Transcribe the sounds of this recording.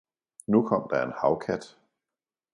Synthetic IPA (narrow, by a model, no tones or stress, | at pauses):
nukʰɒ̽m̰d̥ɑe̝nhɑ̈ʊkʰæd̥